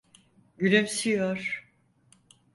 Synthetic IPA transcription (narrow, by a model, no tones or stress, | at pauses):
ɟynymsyjoɾ̥